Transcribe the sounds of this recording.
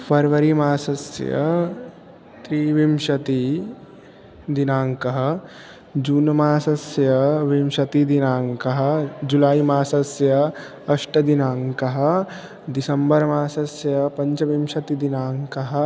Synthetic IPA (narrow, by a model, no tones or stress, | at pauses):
pʰɐɾʋɐɾimaːsɐsjɐ̰ | t̪ɾiːʋimʃɐt̪i | d̪inaːŋkɐɦɐ̆ | d͡ʒuːnɐmaːsɐsjɐʋimʃɐt̪id̪inaːŋkɐɦɐ̆d͡ʒulaːimaːsɐsjɐ | ɐʂʈɐd̪inaːŋkɐɦɐ̆ | d̪isɐmbɐɾmaːsɐsjɐpɐɲt͡ʃɐʋimʃɐt̪id̪inaːŋkɐɦɐ̆